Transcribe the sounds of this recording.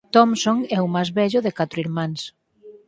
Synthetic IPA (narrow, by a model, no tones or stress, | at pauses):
t̪ɔmsoŋɛumajzβɛʎʊðɪkat̪ɾʊiɾmãŋs